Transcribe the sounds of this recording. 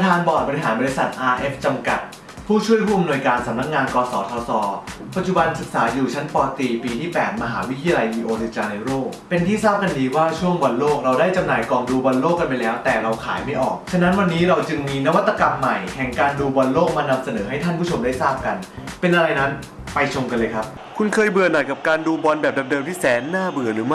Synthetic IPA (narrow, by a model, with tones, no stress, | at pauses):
pa˧t̪ʰaː˧nbɔː˨˩t̪̚bɔ˧ɾi˧˩ɦaː˩˦nbɔ˧i˧sa˨˩t̪̚ʔaː˧ʔe˦˥f̚t͡ɕa˧mka˨˩t̪̚ | pʰuː˥˩t͡ɕʰu˥˩əjpʰuː˥˩ʔa˧mnu˧jkaː˧nsa˨˩˦mna˦˥k̚ŋaː˧nkɔː˧sɔː˨˩˦t̪ʰɔː˧sɔː˩˦pa˨t̪̚t͡ɕu˨˩ba˧nsɯ˨˩k̚saː˩˦juː˨˩t͡ɕʰa˦˥npɔː˧t̪iː˧piː˧t̪ʰiː˥˩pɛː˨˩t̪̚ma˧ɦaː˩˦wi˦˥t̪ʰi˧ja˧la˧jʔiː˧ʔoː˧t̪ʰɯ˨˩t͡ɕaː˧na˧jɾoː˥˩k̚pe˧nt̪ʰiː˥˩saː˥˩p̚ka˧ndiː˧waː˥˩t͡ɕʰu˥˩əŋbɔ˧nloː˥˩k̚ɾa˧wdaː˥˩jt͡ɕa˧mnaː˨˧jkɔː˧˩ŋduː˧bɔ˧nloː˥˩kːa˧npa˧jlɛː˦˥wt̪ɛː˨˩ɾa˧wkʰa̰ː˩˦jma˥˩jʔɔ̰ː˨˩kt͡ɕʰa˧na˦˥nwa˧nːiː˦˥ɾa˧wt͡ɕɯ˧ŋmiː˧na˦˥wa˦˥t̪ʰːa˧ka˧mːa˨˩jhɛ˨˩ŋkaː˧nduː˧bɔ˧nloː˥˩k̚maː˧na˧msa˧nɤː˩˦ɦa˥˩jt̪ʰa˥˩npʰuː˥˩t͡ɕʰo˧mdaː˥˩jsaː˥˩p̚ka˧npe˧nʔa˧ɾa˧jna˦˥n | pa˧jt͡ɕʰo˧ŋka˧nlɤː˧jkʰa˦˥p̚ | kʰu˧nkʰɤː˧jbɯ˨˩ənaː˨˩jka˨˩p̚kaː˧nduː˧bɔ˧nbɛː˨˩p̚da˧m̚dɤː˧mt̪iː˥˩sɛː˩˦nːaː˥˩bɯ˨˩əɾɯː˩˦m˥˩